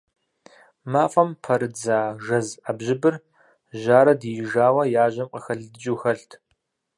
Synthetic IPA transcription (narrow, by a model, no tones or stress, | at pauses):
maːfʼɐmpʰɐɾɨd͡zaːʒɐzabʑɪbɨr | ʒaːɾɐdjɪʒaːwɐjaːʑɐmqəxɐɮdd͡ʒuːxɐɬtʰ